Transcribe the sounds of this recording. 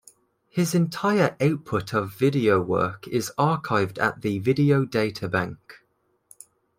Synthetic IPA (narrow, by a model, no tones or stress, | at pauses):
hɪzɪ̃ntʰaɪəɹʔaʊpʰʊtʰəvɪdioʊwɜ̰ˑkʰɪzɑˑkʰaɪvdə̰ʔðəvɪdioʊdeɪtʰəbãŋk